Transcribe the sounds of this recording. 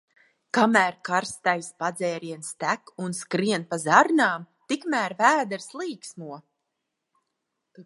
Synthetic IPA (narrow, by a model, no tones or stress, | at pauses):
kamæːɾkaɾst̪ajspad̪zɛːɾiɛnst̪ækunskɾiɛnpazaɾnaːmt̪ikmæːɾvæːd̪ɛɾslˠiːksmuɔ